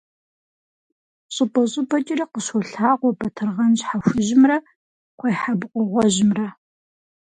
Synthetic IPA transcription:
ɕʼʊpʼɐɕʼʊbɐt͡ʃʼɪriqəɕoɬaːʁʷɔbɐtʰɨrʁɐnʑħaxʷʊʑɪmrɐ | qʷejħabqʷɔʁʷɔʑɪmrɐ

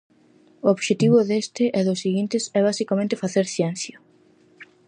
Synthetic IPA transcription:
ooβʃet̪iβ̞ʊðest̪ɪʔɛðʊsːiɣint̪ɪsɛβ̞asikamẽnt̪efaθeɾθjɛn̟θjo

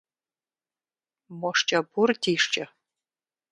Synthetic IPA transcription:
mɔʂt͡ʃʼɐbʊrdiːʂt͡ʃʼɐ

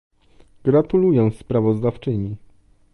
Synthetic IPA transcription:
ɡ̥ɾat̪ulujɛ̃w̃spɾavɔzd̪aft͡ʂɘɲi

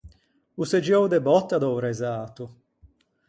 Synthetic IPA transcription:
used͡ʒjɔwd̪ebɔt̪ːad̪ɔwɾɛzaːt̪u

